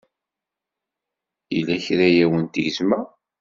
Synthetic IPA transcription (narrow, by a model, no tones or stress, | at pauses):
ilæçɾæjæwənt̪ʝəzmæ